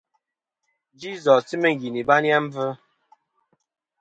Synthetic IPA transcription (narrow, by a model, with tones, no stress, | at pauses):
d͡ʒi˦zɔ˨sti˦mə˦ŋ̩˨ɡi˨ni˨ba˦nja˦m̩˦və˦